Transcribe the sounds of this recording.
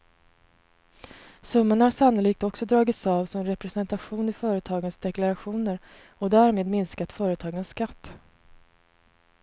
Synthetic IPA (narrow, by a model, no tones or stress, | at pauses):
sɵmːaɳahaʂanʊliːk̚t̪ɔksɔd̪ɾɑːɡɪt̪sɑːvsɔmɛɾɛpɾɛsɛnt̪aɧuːnɪfœːɾət̪ʰɑːɡənsd̪ɛklaɾaɧuːnəɾ | ɔd̪æːɾmeːd̪mɪnskat̪fœːɾət̪ʰɑːɡənsːkat̪ː